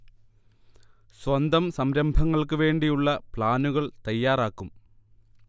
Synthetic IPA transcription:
swɐnd̪ɐmsɐmɾɐmbʱɐŋːɐɭkɨʋe̞ːɳɖijuɭːɐpɭaːnuɣɐɭt̪ɐjːaːraːkːum

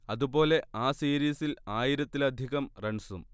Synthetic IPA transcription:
ɐðubo̞ːle̞aːsiːɾiːsilaːjiɾɐt̪ːilɐd̪ʱiɣɐmreɳsum

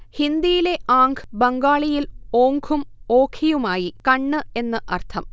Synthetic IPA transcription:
hind̪ijile̞ʔaːŋɡʰʱɨbɐŋɡaːɭijilo̞ːŋɡʰʱumoːkʰijumaːjikɐɳːɨe̞nːɨʔɐrt̪ʰɐm

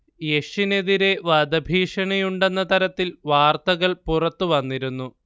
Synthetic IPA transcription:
je̞ʂine̞ðiɾe̞ʋɐd̪ɐbʱiːʂɐɳɐjuɳɖe̞nːɐt̪ɐɾɐt̪ːilʋaːrt̪ɐɣɐɭpurɐt̪ːuʋɐnːiɾunːu

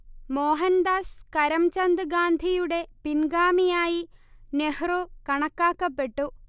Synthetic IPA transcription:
moːɦɐnd̪aːskɐɾɐmt͡ɕɐnd̪ɨɡaːnd̪ʱijuɽe̞pinɡaːmijaːjinehrukɐɳɐkːaːkːɐpːe̞ʈːu

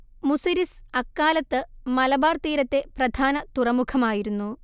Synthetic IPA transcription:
musiɾisɐkːaːlɐt̪ːɨmɐlɐbaːrt̪iːɾɐt̪ːe̞prɐd̪ʱaːnɐt̪urɐmukʰɐmaːjiɾunːu

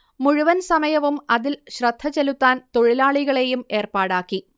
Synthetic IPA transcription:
muɻuʋɐnsɐmɐjɐʋumɐðilɕrɐd̪ʱːɐt͡ɕelut̪ːaːnt̪o̞ɻilaːɭiɣɐɭe̞jume̞ːrpaːɽaːkːi

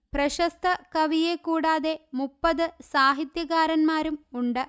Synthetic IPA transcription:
prɐɕɐst̪ʰɐkɐʋijekuːɽaːðe̞mupːɐðɨsaːɦit̪jɐɣaːɾɐnmaːɾumuɳɖɨ

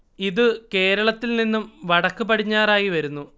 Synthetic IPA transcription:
iðɨke̞ːɾɐɭɐt̪ːilninːumʋɐɽɐkːɨpɐʈiɲːaːɾaːjiʋɐɾunːu

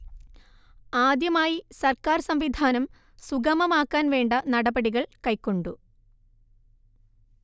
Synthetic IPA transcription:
aːd̪jɐmaːjisɐrkaːrsɐmʋid̪ʱaːnɐm | suɡɐmɐmaːkːaːnʋe̞ːɳɖɐnɐɽɐbɐɽiɣɐɭkɐjkːo̞ɳɖu

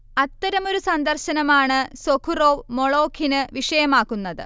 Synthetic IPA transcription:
ɐt̪ːɐɾɐmo̞ɾusɐnd̪ɐrɕɐnɐmaːɳɨsokʰuro̞ːʋmoɭo̞ːkʰinɨʋiʂɐjɐmaːkːunːɐðɨ̰

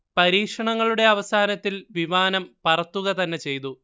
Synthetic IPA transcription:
pɐɾiːkʂɐɳɐŋːɐɭuɽe̞ɐʋɐsaːnɐt̪ːilʋimaːnɐmpɐrɐt̪ːuɣɐt̪ɐnːe̞t͡ɕe̞jt̪u

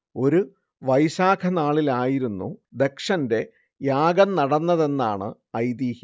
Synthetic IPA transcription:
o̞ɾu | ʋɐjɕaːkʰɐnaːɭilaːjiɾunːṵd̪e̞kʂɐnde̞ | jaːɡɐnnɐɽɐnːɐðe̞nːaːɳɨ̰ | ɐjd̪iːhi

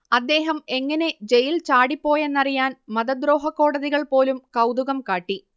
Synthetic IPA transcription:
ɐd̪ːe̞ːɦɐme̞ŋːɐne̞d͡ʑe̞jilt͡ɕaːɽipːo̞ːje̞nːɐrijaːnmɐðɐd̪ɾo̞ːɦɐkːo̞ːɽɐðiɣɐɭpo̞ːlumkɐwd̪uɣɐmkaːʈːi

